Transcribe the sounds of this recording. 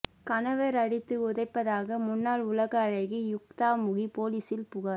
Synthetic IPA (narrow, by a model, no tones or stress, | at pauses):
kɐnɐʋɐɾɐɽɪt̪ːɯʊðɐɪpːɐðaːɣɐmʊnːaːlʊlɐɣɐːɻɐɪɣijʊk̚t̪aːmʊɣipoːliːsɪlpʊɣaː